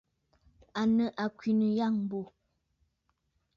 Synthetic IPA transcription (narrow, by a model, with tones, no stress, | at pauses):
a˨nə˨ʔa˨kwi˨nə˨ja˦˨ŋ˨bo˨